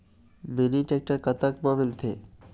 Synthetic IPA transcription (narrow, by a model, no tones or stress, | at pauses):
beniʈɛk̚ʈaɾkat̪akbɔβelt̪ʰe